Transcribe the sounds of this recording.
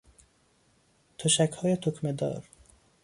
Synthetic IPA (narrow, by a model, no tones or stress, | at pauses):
t̪ʰoʃækhɒːjet̪ʰokʰmed̪ɒ̰ːɾ